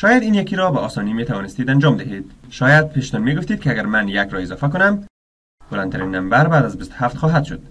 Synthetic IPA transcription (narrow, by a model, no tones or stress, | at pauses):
ʃɒjad̪iːnjakiɾɔbaɔsɒnimet̪aʋɒnɪst̪id̪and͡ʒɒmd̪ɪɦed̪̥ʃɒːjad̪̚pʰeʃt̪ɔnmeɡʊft̪iːd̪̚kɪaɡaɾmanjakɾɒɪzɒfak̬ʊnam | b̥ʊlant̪ʰaɾinːambaɾbaːd̪azbist̪ʊ̥haft̪xɔɦad̪ʃʊ̰d̪̥